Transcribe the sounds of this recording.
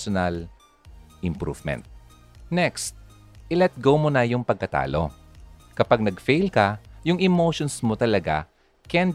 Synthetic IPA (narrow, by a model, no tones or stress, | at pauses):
onɐl | ʔɪmpɾṵvmɛ̰̃nt̪̚ | nɛkst̪̚ | ʔɪlɛt̪̚ɡowmonɐjʊŋpɐɡ̚kɐt̪a̰ːlo̰ | kɐpaɡ̚nɐɡfejlkɐjʊŋɛmowʃonsmot̪ɐlɐɡa̰ | kɛn